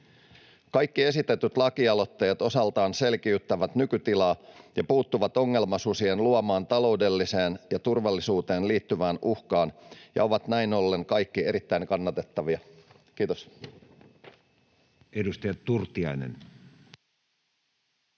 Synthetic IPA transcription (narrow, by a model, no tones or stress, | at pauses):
kɑjkːie̞sit̪et̪yt̪lɑkiɑlo̞t̪ːejɑt̪o̞sɑlt̪ɑːnse̞lkiyt̪ːæʋæt̪nykyt̪ilɑːjɑpuːt̪ːuʋɑt̪o̞ŋːe̞lmɑsusienluɑmɑːnt̪ɑlo̞udelːise̞ːnjɑt̪urʋɑlːisuːt̪e̞ːnliːt̪ːyʋæːnuhkɑːnjɑ̰oʋɑt̪næino̞lːe̞ŋkɑjkːie̞ɾit̪ːæiŋkɑnːɑt̪et̪ːɑʋiɑ | kiːt̪os | edust̪ɑjɑt̪urt̪iɑ̰inḛn